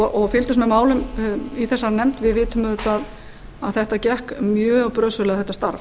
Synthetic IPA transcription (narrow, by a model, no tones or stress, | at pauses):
ɔɣfɪlt̪ʏsmɛðmaːwlʏmiθɛsːaɾnɛm̥t̪vɪðvɪːt̪ʏmʏt̪ːað | aðθɛht̪acɛhkmjœːpɾœːsʏlɛɣaθɛht̪ːast̪aɾv